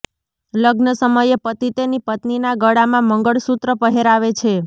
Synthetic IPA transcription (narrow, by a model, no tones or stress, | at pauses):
ləɡnəsəməjepət̪it̪enipət̪ninaɡəɽamãməŋɡəɭsut̪ɾəpəɦeɾaʋet͡ʃʰe